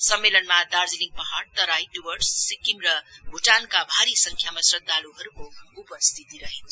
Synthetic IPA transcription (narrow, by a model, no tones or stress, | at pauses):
sʌmːelʌnmad̪aɾd͡ziliŋ̚pʌɦaɽt̪ʌɾajɖubʌrsːikːimɾʌɡʱuʈankabʱaɾisʌŋkʰjamasrʌd̪ʱːaluɦʌɾukoupʌst̪ʰit̪iɾʌɦint͡sʰ